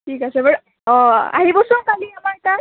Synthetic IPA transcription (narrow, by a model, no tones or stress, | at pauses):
ʈʰikasɛbəʈ | ɔ̃a̰ɦibɔsunkaliamaɹta